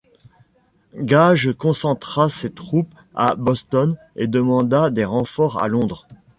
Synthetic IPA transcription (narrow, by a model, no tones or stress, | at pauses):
ɡaʒkɔ̃sɑ̃t̪χaset̪χup | a̰bɔst̪ɔn | ed̪əmɑ̃d̪ad̪eʁɑ̃fɔʁa̰lɔ̃d̪ʁ